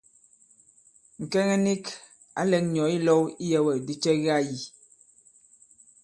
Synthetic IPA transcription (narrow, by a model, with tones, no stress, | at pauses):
ŋ̩˨kɛ˦ŋɛ˦ni˦k | a̰˨˦lɛ˨ŋɲɔ˨˦i˦lɔ˦wi˦jɛ˨wɛ˨di˦t͡ʃɛ˦ɣa˦˨ji˨